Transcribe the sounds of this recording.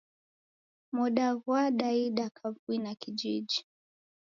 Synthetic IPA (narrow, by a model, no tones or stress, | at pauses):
muɗaɣwaɗaiɗakʰavuinakid͡ʒiʄi